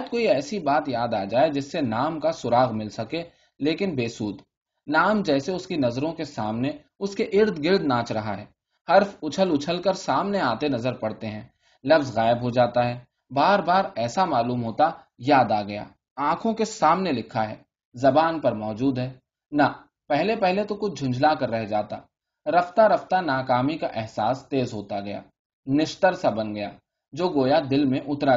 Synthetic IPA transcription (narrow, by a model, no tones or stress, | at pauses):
d̪̚koːiɛːsibaːt̪jaːd̪aːd͡ʒaːed͡ʒɪsːenaːmkasʊɾaːɣmɪlsɐke | leːkɪnbeːsuːd̪ | naːmd͡ʒɛːseʊskinɐzɾõkesaːmne | ʊskeʔɪɾd̪ɡɪɾd̪nãːt͡ʃɾɐɦaɦɛː | hɐɾfʊt͡ʃʰəlʊt͡ʃʰəlkəɾsaːmneaːt̪enɐzəɾpɐɽ̤t̪eɦɛ̃ː | lɐfzɣaːɪbɦod͡ʒaːt̪aɦɛː | baːɾbaːɾɛːsamaːluːmɦoːt̪a | jaːd̪aɡɐja̰ː | ãːkʰõkesaːmnelɪkʰːaɦɛ̰ː | zɐbaːnpɐɾmɔːd͡ʒuːd̪ɦɛː | na | pɛɦlepɛɦlet̪okʊt͡ʃʰd͡ʒʱʊ̃nd͡ʒʱlakɐɾːɛɦd͡ʒaːt̪a̰ː | ɾɐft̪aɾɐft̪anaːkaːmikaʔɛɦsaːst̪eːzɦoːt̪aɡɐja̰ː | nɪʃt̪əɾsabɐnɡɐja̰ː | d͡ʒoːɡoːjad̪ɪlmẽʔʊt̪ɾa